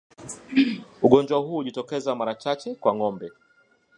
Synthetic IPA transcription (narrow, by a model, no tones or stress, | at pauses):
uɠɔnd͡ʒwahuːʄitɔkɛzamaɾat͡ʃat͡ʃɛkwaŋɔmbɛ